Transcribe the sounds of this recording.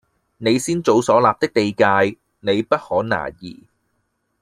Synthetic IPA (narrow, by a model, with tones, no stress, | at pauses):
ne˨˧jsiː˥nt͡so˨˧wsɔː˨˥laː˨p̚t̪ɪ˥k̚t̪e˨˧jkaː˧j | ne˨˧jpɐ˥t̚hɔː˨˥na̰ː˨˩jḭː˨˩